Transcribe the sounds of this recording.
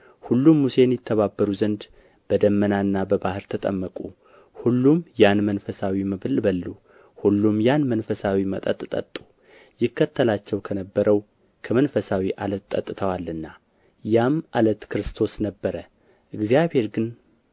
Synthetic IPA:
hulːumːuse̞njɪt̪ʰːəβabːəɾuzənd̪ | b̥əd̪əmːənaɨnːabəbahɨɾt̪ʰət̪ʼə̰mːəkʼu | hulːumjanmənfəsawiməβɨlbəlːu | hulːumjanmənfəsawimət̪ʼət̪ʼt̪ʼə̰t̪ʼːu̥ | jɪkʰːət̪ʰːəlat͡ʃːɛwkʰənəbːəɾəw | kʰəmənfəsawiʔalət̪t̪ʼːə̰t̪ʼːt̪ʰəwalːɨnːa | jamʔalət̪kɾɨst̪ʰo̞snəbːəɾə | ʔɨɡzijaβhe̞ɾɡɨn

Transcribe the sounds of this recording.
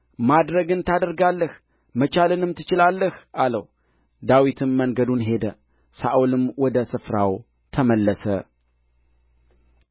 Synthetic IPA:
mad̪ɾəɡɨnt̪ʰad̪əɾɡalːəh | mət͡ʃalɨnɨmt̪ʰɨ̥t͡ʃɪlalːəhʔaləw | d̪awit̪ʰɨmːəŋɡəd̪unɦe̞d̪ə | sa̰ʔulɨmwɔd̪əsɨfɾaw | t̪ʰəməlːəsə

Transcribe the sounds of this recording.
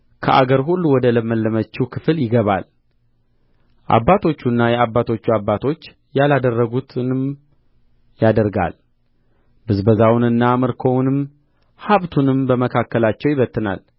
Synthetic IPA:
kʰə̰ʔa̰ɡəɾɦulːuwɔd̪ələməlːəmət͡ʃːuwkʰɨfɨljɪɡəβa̰l | ʔa̰bːat̪ʰo̞t͡ʃːunːajɛabːat̪ʰo̞t͡ʃːuabːat̪ʰo̞t͡ʃː | jalad̪ərːəɡut̪ʰnɨm | jad̪əɾɡa̰l | bɨzbəzawʊnɨnːaməɾkʰownɨm | haβt̪ʰunɨmbəməkʰakːəlat͡ʃːɛwjiɪβət̪ːɨna̰l

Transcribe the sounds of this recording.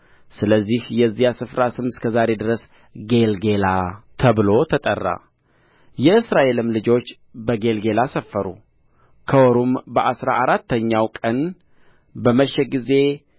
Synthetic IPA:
sɨləzːihjɛzːijasɨfɾasɨmskʰəzaɾe̞d̪ɨɾəs | ɡe̞lɡe̞lat̪ʰəβɨlo̞t̪ʰət̪ʼə̰rːa̰ | jɛɨsɾaʔe̞lɨmlɨd͡ʒo̞t͡ʃː | bəɡe̞lɡe̞lasəfːəɾṵ | kʰəwɔɾumbəʔasɾa̰ʔaɾat̪ːəɲːawkʼən | bəməʃːɛɡize̞

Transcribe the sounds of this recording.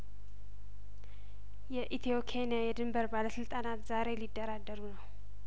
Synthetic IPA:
jɛʔit̪ʰiokʰenijajɛd̪ɨmbəɾbaləsɨlt̪ʼanat̪zaɾe̞lid̪ːəɾad̪ːəɾunəw

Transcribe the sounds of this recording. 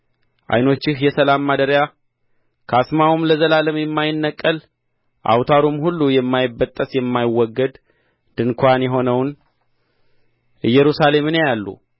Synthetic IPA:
ʔa̰jno̞t͡ʃːɪhjɛsəlamːad̪əɾja | kʰasmawumləzəlaləmjɛmːajɪnːəkʼːəl | ʔa̰wt̪ʰaɾumhulːujɛmːajɪbːət̪ʼːəsjɛmːajɪwːɔɡːəd̪ | d̪̥ɨnkʰʷanjɛɦo̞nəwn | ɨjːɛɾusale̞mɨnejalːṵ

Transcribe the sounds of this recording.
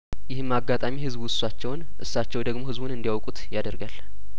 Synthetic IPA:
jɪhɨmːaɡːat̪ʼamihɨzbwʊsːat͡ʃːɛwn | ʔɨsːat͡ʃːɛwd̪əɡmo̞hɨzbunɨnd̪ijawkʼut̪jad̪əɾɡal

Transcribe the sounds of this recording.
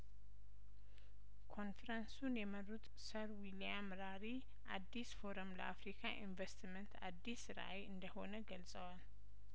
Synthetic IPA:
kʰo̞nfɾansunjɛmɐɾut̪ | sɐɾwiliamɾaɾi | ʔad̪ːisfo̞ɾomlɐ̰ʔafɾikʰaʔinvɐst̪ʰmɛnt̪ʰa̰d̪ːisɨɾʔa̰jɨnd̪əho̞nəɡɐlt͡sʼɐwal

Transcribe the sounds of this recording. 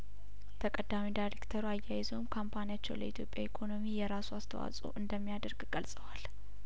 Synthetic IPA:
t̪ʰəkʼəd̪amidajɾekt̪ʰəɾuajːajɪzowmkʰampʰanijat͡ʃːɛwlə̰ʔit̪ʰjo̞pʼja̰ikʰo̞no̞mijɛɾasuast̪ʰə̰wa̰sʼṵʔɨnd̪əmːijad̪əɾɡɡ̥əlsʼəwal

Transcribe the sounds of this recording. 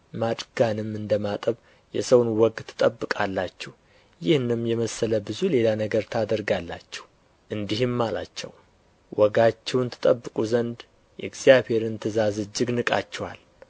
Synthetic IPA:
mat͡ʃʼɡ̥anɨmɨnd̪əmat̪ʼəβ | jɛ̰səwnwɔɡt̪ʰɨ̥t̪ʼəbːɨkʼalːat͡ʃːɛh | jɪhnɨmjɛməsːələbɨzule̞lanəɡəɾt̪ʰad̪əɾɡalːat͡ʃːɛ̥h | ʔɨnd̪ihɨmːala̰t͡ʃːɛ̰w | wɔɡat͡ʃːɛwnt̪ʰɨ̥t̪ʼəbːɨkʼuzənd̪ | jɛ̰ɡz̥ijaβhe̞ɾɨnt̪ʰɨzazɨd͡ʒːɨɡnɨkʼa̰t͡ʃːɛwa̰l

